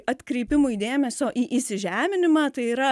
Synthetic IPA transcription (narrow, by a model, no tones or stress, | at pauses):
ɐt̪ʲkɾʲɛɪpʲɪmʊid̪ʲeːmʲɛsʲoːʔiːʔisʲɪʒʲæːmʲɪnʲɪmɑt̪ɐɪiːɾɐ